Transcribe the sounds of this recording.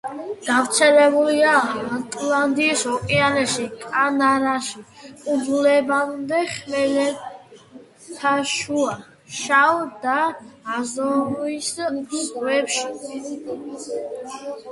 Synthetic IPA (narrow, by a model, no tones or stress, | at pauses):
ɡ̥aft̪sʰɛlɛbuliaat̪ʼland̪iːsɔkʼianɛʃikʼanaɾaʃiudulɛbanmd̪ɛχmɛlɛ | t̪ʰaʃua | ʃawd̪aːzɔuisɡwɛpʃi